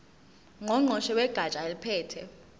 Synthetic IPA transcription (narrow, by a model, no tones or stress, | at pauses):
ŋɔŋ͡ǃʱɔʃɛwɛɡ̥ʱat͡ʃʼaelipʰɛːtʰɛ